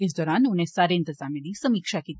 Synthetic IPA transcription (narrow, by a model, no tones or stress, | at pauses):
ɪs̬d̪ɔːɾaːnʊnẽsaːɾeɪ̃nt̪ɪzaːmẽd̪isɐmiːkʃakiːt̪i